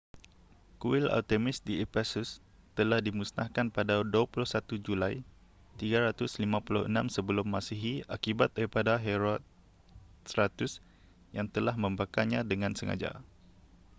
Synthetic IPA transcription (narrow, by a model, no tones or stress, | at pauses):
kuɪla̰lt̪emɪsdiepɛsus | t̪əlahdimusna̰hkanpadaduapulʊhsat̪ud͡ʒulaj | t̪iɡaɾat̪ʊslimãpulʊhə̰nãmsəbəlʊmːasiɦiʔakibat̪̚daɾipadaɦeɾɔt̪̚ | sɾat̪ʊs | jaŋt̪əlahmə̃mbakaɲãdəŋãnsəŋa̰d͡ʒa̰